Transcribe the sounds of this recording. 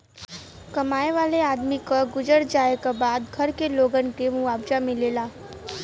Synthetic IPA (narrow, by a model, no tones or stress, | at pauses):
kəmajʋalead̪mikəɡud͡ʑəɽd͡ʑajkabad̪ɡʱəɾkeloɡənkemuʋabd͡ʒamilela